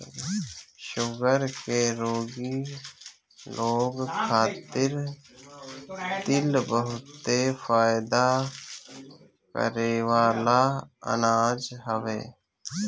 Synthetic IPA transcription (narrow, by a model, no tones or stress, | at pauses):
ʃʊɡəɾkeɾoːɡi | loːɡkʰaːt̪ɪɾ | t̪ɪlbəɦʊt̪ːefaːjd̪a | kə̰ɾeʋaːlaə̰naːd͡ʒɦəʋḛː